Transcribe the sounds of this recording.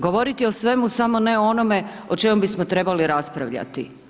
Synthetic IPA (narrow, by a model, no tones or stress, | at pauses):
ɡoʋo̞ɾit̪io̞sʋe̞musamo̞ne̞oo̞no̞me̞ | o̞t͡ʃe̞mombismot̪ɾe̞baliɾaspɾaʋʎa̰t̪ḭ